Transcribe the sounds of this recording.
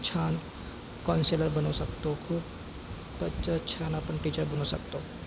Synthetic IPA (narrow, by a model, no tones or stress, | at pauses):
t͡ʃʰaːn | kɔːnseːləɾbɐnosɐkt̪okʰuːb | pɐt͡ʃət͡ʃʰaːnapənʈiːt͡ʃəɾbɐnosɐk̚t̪oː